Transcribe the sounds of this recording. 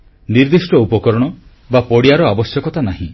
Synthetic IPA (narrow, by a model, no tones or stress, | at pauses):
niɾd̪isʈɔupɔkɔɾɔɽ̃ɔ | bapɔɽiaɾɔabɔsjɔkɔt̪anaɦĩ